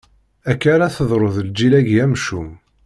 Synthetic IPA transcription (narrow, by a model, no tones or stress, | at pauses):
ækːaɾaθəðˤɾˤoðld͡ʒilæɡjæmʃum